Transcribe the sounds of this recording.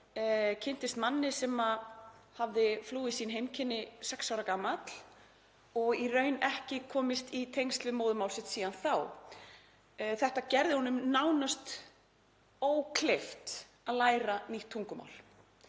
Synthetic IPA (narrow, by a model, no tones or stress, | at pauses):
cʰɪn̥t̪ɪst̪manːɪsɛmahavðɪfluːisiːnɦejmcʰɪnːɪsɛksawɾakaːmat̪l̥ | ɔɣirœːɥnɛhcɪkʰɔːmɪst̪it̪ʰejŋst̪lvɪmoːwðʏmawlsɪht̪siːðanθaw | θɛht̪acɛɾðɪhɔnʏmnawnast̪ | oːwkʰleft̪ | aðlaːjɾaniht̪ʰːuŋkʏma̰wl̥